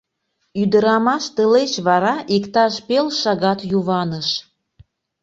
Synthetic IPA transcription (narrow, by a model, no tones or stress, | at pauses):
yd̪əɾɑmɑʃt̪əlet͡ɕβɑɾɑʔikt̪ɑʃpelʃɑɣɑt̪juβɑnəʃ